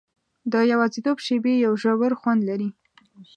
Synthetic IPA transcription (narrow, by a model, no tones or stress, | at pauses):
d̪əjawɑzit̪obʃebejawʒawəɾxwand̪laɾi